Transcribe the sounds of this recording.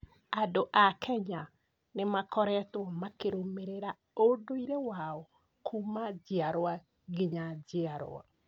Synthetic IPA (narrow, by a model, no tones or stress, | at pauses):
adoʔakʰɛɲa | nemakɔɾɛtwɔmakeɾomeɾeɾa | odoiɾewaɔ | kʰumad͡ʑeaɾwa | ɡeɲad͡ʑeaɾo̰a̰